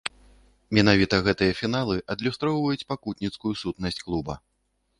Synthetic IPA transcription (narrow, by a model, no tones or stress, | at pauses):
mʲɛnavʲit̪ɐɣɛt̪ɨjɐfʲinalˠɨʔɐd̪lʲust̪ɾɔwvɐjut͡sʲpakut̪ʲnʲit̪skujusut̪nɐsʲt͡sʲklˠubɐ